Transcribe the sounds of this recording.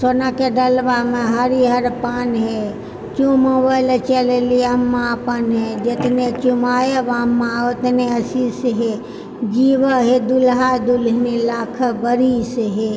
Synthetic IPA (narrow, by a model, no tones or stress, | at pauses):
soːnakeɖəlʋamẽɦəɾiɦəɾpaːnɦe | t͡ʃõmoːbaɪlet͡ʃeleliəmːapənɦed͡ʒet̪net͡ʃumaːjeʋaːmːaot̪neəsiseɦe | d͡ʒiːʋəɦed̪ulɦad̪ulɦnilaːkʰəbəɾiseɦe